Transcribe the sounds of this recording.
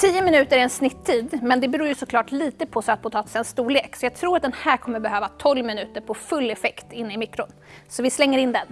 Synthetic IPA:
t̪ʰiːəmɪnʉ̟ːt̪əɾæɾɛnsnɪt̪ʰːiːd̪mɛnd̪ɛbɛɾuːɾjɵsɔkʰlɑːʈliːt̪əpʰɔsœt̪̚pʰʊt̪ʰɑːt̪ɪ̥sɛnst̪uːɭeːksɔjɑːɡ̚t̪ʰɾuːɾat̪̚d̪ɛnhæːkʰɔmːəɾbɛɦøːvat̪ʰɔlːmɪnʉ̟ːt̪əɾpʰɔfɵlːɛfɛkt̪ɪnːɪmɪkːɾʊnsɔvɪslɛŋːəɾɪnːd̪ɛn

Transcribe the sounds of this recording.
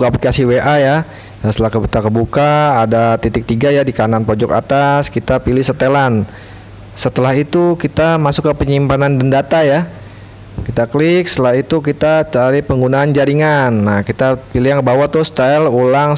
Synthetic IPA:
kaplikasiweʔaja | jast̪əlahkəbukakəbukaːdat̪it̪ɪk̚t̪iɡajadikananpod͡ʒɔka̰t̪askit̪apilɪhsət̪elan | sət̪əlahit̪ukit̪amasukːəpəɲimpanandəndat̪aja | kit̪aklɪk̚sət̪əlaɦit̪ukit̪at͡ʃaɾipəŋɡunaːnd͡ʒaɾiŋanːahkit̪apiliɦjaŋkəbawat̪ʊst̪alulaŋ

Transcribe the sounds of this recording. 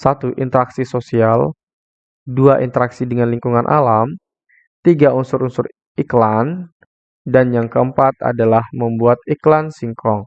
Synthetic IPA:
sat̪uʔint̪əɾaksisosial | duaʔint̪əɾaksidəŋanliŋkuŋanʔa̰lam | t̪iɡaʔunsʊɾunsʊɾ | iklan | danjaŋkəəmpat̪̚a̰dalahməmbuat̪̚iklansiŋkʰɔŋ

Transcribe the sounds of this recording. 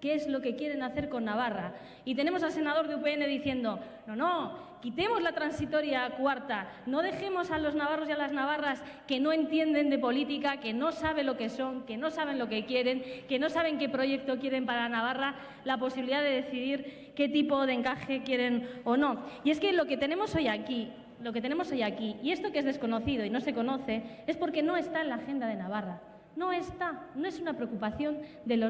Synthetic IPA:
ke̞ezlo̞ke̞kje̞ɾe̞naθe̞ɾko̞nːaβ̞ara | it̪e̞ne̞mosalse̞nað̞o̞ɾðeupeene̞ðiθje̞nd̪o̞ | nono̞ | kit̪e̞mo̞zlat̪ɾansit̪o̞ɾjakwaɾt̪a | no̞ð̞e̞xe̞mo̞salo̞znaβ̞aro̞sjalaznaβaras | ke̞no̞ẽ̞nt̪je̞nd̪e̞nd̪e̞po̞lit̪ikake̞no̞saβ̞e̞lo̞ke̞so̞ŋke̞no̞saβe̞nlo̞ke̞kje̞ɾe̞ŋke̞no̞saβ̞e̞ŋke̞pɾo̞ʝe̞k̚t̪o̞kje̞ɾe̞mpaɾanaβ̞ara | lapo̞siβiliðaðe̞ðe̞θiðiɾ | ke̞t̪ipo̞ðeŋkaxe̞kje̞ɾe̞no̞no̞ie̞ske̞lo̞ke̞t̪enẽ̞mo̞so̞jaki | loket̪ene̞moso̞jakiie̞st̪o̞kee̞zðe̞sko̞no̞θiðoino̞se̞ko̞no̞θe̞e̞spo̞ɾke̞no̞e̞st̪aenlaːxe̞nd̪að̞e̞naβ̞ara | no̞e̞st̪ano̞e̞sunapɾeokupaθjo̞n | d̪e̞lo

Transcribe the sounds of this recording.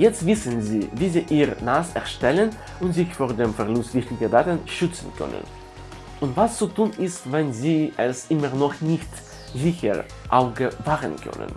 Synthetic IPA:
jɛt͡stv̥ɪsənziːviːziːʔiːʁənaːsɛɐʃtɛlən | ʔʊntz̥ɪçfoːɐdeːmfɛɐlʊstv̥ɪçtɪɡədaːtənʃʏt͡sn̩kʰœ̰nə̰n | ʔʊntv̥ast͡sutʰuːnɪstvɛnziːʔɛsʔɪməʁnɔχnɪçt | zɪçə̰ʁ | ʔaʊɡəvaːʁənkʰœ̰nə̰n

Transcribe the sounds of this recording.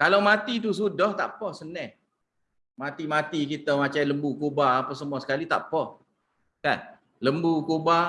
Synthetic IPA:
kalawmat̪it̪̬us̬udɔht̪a̰ʔpɔhsənɛh | mat̪imat̪ikit̪əmat͡ʃaləmbukobaapəsəmuasə̥kalit̪a̰ʔpɔh | kan | ləmbukoba

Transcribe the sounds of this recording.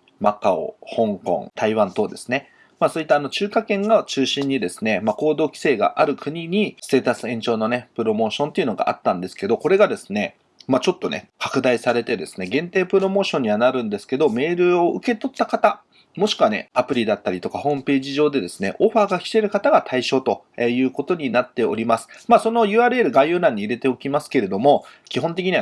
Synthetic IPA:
makao̰hõ̞ŋkõ̰ŋt̪aiβãnt̪o̞ːd̪e̞sɨ̥ne̞ | maːso̞ːit̪ːaːno̞t͡ɕɨːkakẽ̞ŋɡat͡ɕɨːɕĩɲ̟ːid̪e̞sɨ̥ne̞mako̞ːd̪o̞ːkʲi̥se̞ːɡa̰ʔaɾɯ̟kɯ̟ɲ̟iɲ̟ise̞ːt̪asɨẽ̞ɲ̟t͡ɕo̞ːno̞ne̞pɯ̟ɾo̞mo̞ːɕõ̞nt̪e̞iɯ̟no̞ɡa̰ʔa̰t̪ːãnd̪e̞sɨ̥ke̞d̪o̞ko̞ɾe̞ɡad̪e̞sɨ̥ne̞ | mat͡ɕo̞t̪ːo̞ne̞̰kḁkɯ̟d̪aisaɾe̞t̪e̞d̪e̞sɨ̥ne̞ɡẽ̞nt̪e̞ːpɯ̟ɾo̞mo̞ːɕõ̞ɲ̟ːiβanaɾɯ̟̃nd̪e̞sɨ̥ke̞d̪o̞me̞ːɾɯ̟o̞ɯke̞t̪o̞t̪ːakat̪a | mo̞ɕi̥kɯ̟ane̞̰apɯ̟ɾʲid̪at̪ːaɾʲit̪o̞kahõ̞ːmɯ̟pe̞ːʑiʑo̞ːd̪e̞d̪e̞sɨne̞̰ʔo̞ɸaːɡakʲi̥t̪eɾɯ̟kat̪aɡat̪ʰaiɕo̞ːt̪o̞ejɯ̟ːko̞t̪o̞ɲ̟inat̪ːe̞o̞̰ɾʲimasɨ̥maːso̞no̞jɯ̟ːaːɾɯ̟e̞ɾɯ̟ɡajɯ̟ːnãɲ̟ːiːɾe̞t̪e̞o̞kʲimasɨ̥ke̞ɾe̞d̪o̞mo̞kʲiɦõ̞nt̪̬ekʲiɲ̟iβa

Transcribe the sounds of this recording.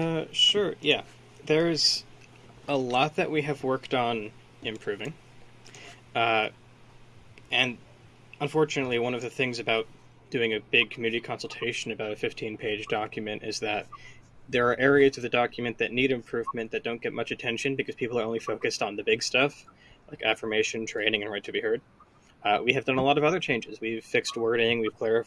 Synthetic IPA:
ʌʃʊɹjæ | ðə˞ɪz̥ | əlɔt̪̚ðɨ̰ʔ̚wiɨvwɜ˞ktn̩ | ɨ̃mpʰɹ̥ʉvɪ̃ŋ | ɨ̃n | ə̃ɱfɔɹt͡ʃɨnɨtˡliwʌ̃nʌvðɨθɪ̃ŋzɨbaʊt̚ | d̥ʉɪ̃ŋɨbɪɡ̚kʰmjʉnɨɾikʰɑ̃nsl̩ˠtʰeɪʃɨ̃nɨbaʊɾɨfɪftʰĩnpʰeɪd͡ʒdɑkjɨmɨ̃ñtʔɪzðɨt̪̚ | ðə˞ːʔɛɹiɨzʌvðɨdɑkʰjmɨ̃nðɨtⁿniɾɨ̃mpʰɹ̥ʉvmɨ̃nðɨt̚d̥õʊ̃nɡ̥ɛt̚mʌt͡ʃɨtʰɛ̃nʃɨ̃nbɨkʰʌz̥pʰipl̩ˠə˞õʊ̃nlifoʊkɨstn̩ðɨbɪɡstʌf | laɪkæfə˞meɪʃɨ̃ntʰɹ̥ẽɪ̃ñɪ̃ŋɨ̃nɹaɪtʰɨbihɜ˞d̥̚ | wiɨvdʌ̃nəlɔɾʌvʌðə˞t͡ʃʰẽɪ̃nd͡ʒɨzwiv̥fɪkst̚wɜ˞ɾɪ̃ŋwiv̥kʰl̥ɛɹɨf

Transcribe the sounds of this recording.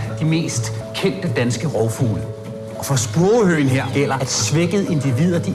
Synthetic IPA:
d̥ime̝̰ːsd̥ | kʰen̰d̥əd̥ænsɡ̥əʁɒʊfṵːl | ɒ̽fɒ̽sb̥ɔːʊhøːn̩ɦeɐ̰ɡ̥el̰ɐæd̥sʋeɡ̥əðˠe̝nd̥iʋið̰ˠɐd̥i

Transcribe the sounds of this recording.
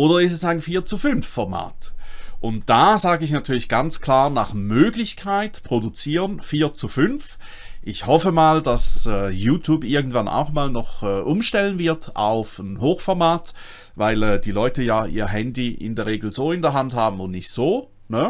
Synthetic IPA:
ʔoːdɐɪstɛsaɪnfiːɐt͡sufʏnfːɔɐma̰ːtʔʊnt̚d̥aːzaːɡəɪç̬natʰyːɐlɪçɡ̥ant͡skʰl̥aːɐnaχmøːɡlɪçkʰaɪtpʁ̥odut͡siːʁənfiːɐt͡sufʏnf | ʔɪçhɔfəmaːld̥asɛːjuːtʰjuːbɪɐɡn̩tv̥ana̰ʊxmaːlnɔχɛːʔʊmʃtɛlənvɪɐta̰ʊfnɦoːxfɔɐmaːt | vaɪlɛːdiːlɔʏtəjaːʔḭːɐɦɛndiɪ̰ndɛːɐʁeːɡl̩zoːɪndɛɐɦanthaːbm̩ʊntnɪçtz̥oː | nə

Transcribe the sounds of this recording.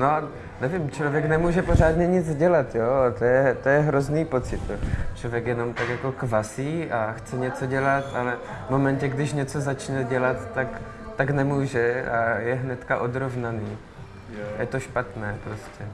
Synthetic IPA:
noa | nɛvɪmt͡ʃlo̞vjɛknɛmuːʒɛpor̝aːd̪ɲɛɲɪd͡zɟɛlat̪joːat̪ojɛt̪ojɛɦɾozniːpo̞t͡sɪt̪jot͡ʃlo̞vjɛkjɛno̞mt̪akjako̞kvasiːaxt͡sɛɲɛt͡so̞ɟɛlat̪alɛ | vmo̞mɛncɛɡdɪʃɲɛt͡so̞zat͡ʃnɛɟɛlat̪ːak | t̪aknɛmuːʒɛajɛɦnɛt̪kaʔod̪ɾovnaniː | jɛt̪o̞ʃpat̪nɛːpɾoscɛ

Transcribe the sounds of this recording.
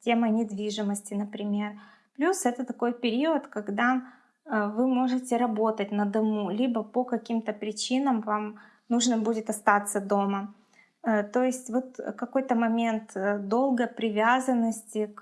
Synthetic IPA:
tʲe̞mənʲɪd̪vʲiʐɨməsʲtʲɪnəpɾʲɪmʲe̞r | plʲusɛt̪ət̪ɐko̞jpʲɪɾʲiət̪kɐɡd̪a | vɨmo̞ʐɨtʲɪɾɐbo̞t̪ətʲnəd̪ɐmulʲibəpəkɐkʲimt̪əpɾʲɪt͡ɕinəmvam | nuʐnəbudʲɪt̪ɐst̪at̪səd̪o̞mə | t̪o̞jɪsʲtʲvo̞t̪kɐko̞jt̪əmɐmʲe̞nt̪əd̪o̞lˠɡəjpɾʲɪvʲazənːəsʲtʲɪk

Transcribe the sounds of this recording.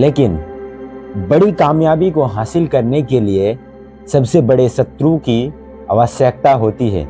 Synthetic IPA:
leːkɪn | bɐɽikaːmjaːbikoɦaːsɪlkɐɾnekelie | sɐbsebɐɽesɐt̪ɾũki | ɐ̰ʋəsjək̚t̪aɦoːt̪iɦɛ̰ː

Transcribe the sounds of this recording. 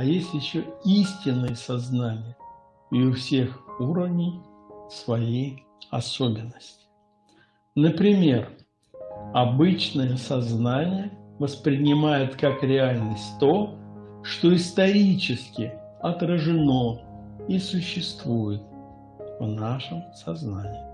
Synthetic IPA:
ɐjesʲtʲjɪɕːoisʲtʲɪnːɨjəsɐznanʲɪjə | ɪʊfsʲe̞xuɾəvnʲɪj | svɐjej | ɐso̞bʲɪnːəsʲtʲɪ̥ | nəpɾʲɪmʲe̞r | ɐbɨt͡ɕnəjəsɐznanʲɪjəvəspɾʲɪnʲɪmajʊt̪kakɾʲɪalʲnəsʲtʲt̪o̞ | ʂt̪o̞ɪst̪ɐɾʲit͡ɕɪskʲɪ | ɐt̪rəʐɨno̞ | isʊɕːɪst̪vujɪt̪̚ | vnaʂɨmsɐznanʲɪː

